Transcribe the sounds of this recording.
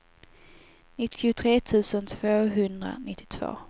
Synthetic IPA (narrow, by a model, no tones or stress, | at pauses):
nɪt̪ʰːɪʊt̪ʰɾeːt̪ʰʉ̟ːsənt̪ʰv̥oːɦɵnd̪ɾa̰nɪt̪ʰːɪ̥t̪ʰvo̰ː